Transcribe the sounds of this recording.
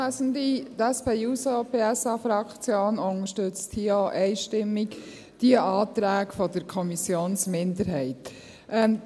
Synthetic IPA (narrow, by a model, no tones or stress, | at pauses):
sndit̪ɛspeːjuːsopʰeːɛsɑfɾɑkt͡sjoːnʊŋəʃtøt͡sthioʔɛɪʃtɪmːik | d̥iəʔɑːt̪ɾæːkfɔd̥əɾkʰɔmisjoːnsmɪndəɾɦɛɪt | ʔɛm